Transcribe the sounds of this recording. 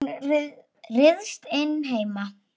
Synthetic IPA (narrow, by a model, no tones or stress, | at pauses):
r | rɪðst̪ɪnːɦeːjma